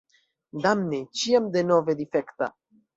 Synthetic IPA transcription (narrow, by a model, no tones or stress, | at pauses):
d̪amnet͡ʃiamd̪enoved̪ifekt̪a̰